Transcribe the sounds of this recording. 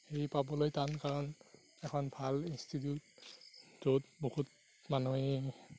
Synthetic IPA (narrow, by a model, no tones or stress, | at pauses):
xeɹipabɔlojtankaɹɔn | ɛkʰɔnbʱalinstʰit̬jut̚ | zotbohut̚ | manue